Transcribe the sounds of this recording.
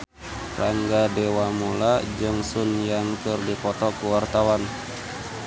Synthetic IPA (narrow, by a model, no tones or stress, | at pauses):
raŋɡadewamulad͡ʒɨŋsunjaŋkɨrdipɔt̪ɔkuwart̪awan